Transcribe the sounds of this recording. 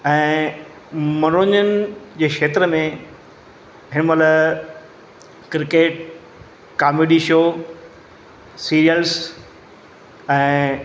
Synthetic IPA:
ɛ̃ː | mɐnoːɲənɪ̆d͡ʑeːkʃeːt̪ɾəmẽ | ɦɪnəmələ | kɾɪkeːʈ̚ | kaːmeːɖiʃoː | siːɾijəls | ɛ̃ː

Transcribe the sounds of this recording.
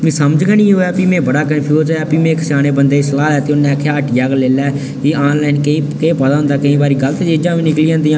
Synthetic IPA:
mĩsəməd͡ʒɡaːnĩːɦoːɛːpiːmɛ̃ːbəɽaːkənpʰjuːzɛːɛːpiːmẽːkɪsaːneːbənd̪eːsəlaːlɛːt̪eːʊnːẽːkʰːeaʈjaːɡleːlɛː | kiːaːnlaːɪnkəĩːkepəd̪aːɦʊ̃nd̪aːkəĩːbaːɾiːɡəlt̪ed͡ʒeːd͡ʒãːʋĩːnɪkliːãːnd̪iːãː

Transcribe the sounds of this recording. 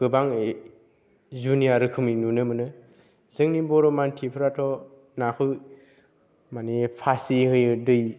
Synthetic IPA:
ɡ̥ɯbaŋe | zunijaɾɯkʰɯminunɯmɯnɯ | z̥ɯŋnibɔɾɔmantʰipʰɯɾatʰɔ | nakʰɯ | manipʰasihɯjɯdɯj

